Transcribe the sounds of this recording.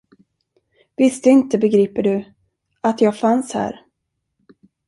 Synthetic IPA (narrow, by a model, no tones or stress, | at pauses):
vɪst̪əɪnt̪əbɛɡɾiːpəɖɵ | at̪jɑːɡfanshæ̰ːɾ